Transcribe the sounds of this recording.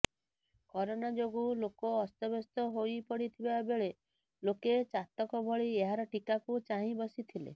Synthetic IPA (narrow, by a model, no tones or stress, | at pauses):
kɔɾonad͡ʒoɡulokɔːst̪ɔbɔst̪ɔɦojpɔɽit̪ʰibabeɭe | loket͡ʃat̪ɔkɔbʱɔɭieɦaɾɔʈikakut͡ʃaɦĩbɔsit̪ʰilḛ